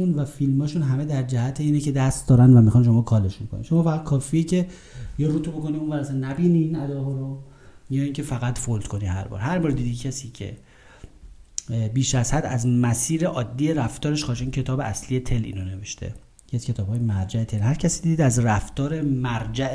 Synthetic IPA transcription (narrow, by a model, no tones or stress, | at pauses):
unvæfilmɒːʃunɦæme̞d̪æɾd͡ʒæhæt̪ʰeiːnece̞d̪æst̪̚d̪ɒːɾænvæmixɒːnʃo̞mɒːkʰɒːleʃukʰo̰nḭmʃo̞mɒːfæɣæd̪̚kʰɒːfiːecʰe̞ | jeɾuːt̪ʰoboko̞niunvæɾæsænnːæbiniːnæd̪ɒːɦɒːɾojɒːiŋcʰe̞fæɣæt̪fold̪̥kʰo̞nihæ̰ɾbɒ̰ːɾɦæɾbɒːɾd̪iːd̪icʰæsiːcʰe̞̰ | biːʃæzhæd̪æzmæsiːɾeʔɒːd̪ːijeɾæft̪ɒːɾeʃxɒːʃiːŋcʰe̞t̪ɒːbe̞ʔæslije̞t̪ʰe̞lḭːnone̞veʃt̪ʰḛ | eæzcʰe̞t̪ʰɒːbɒːjemæɾd͡ʒæet̪ʰelhæɾcʰæsiːd̪id̪iːd̪æzræft̪ɒːɾe̞mæɾd͡ʒæ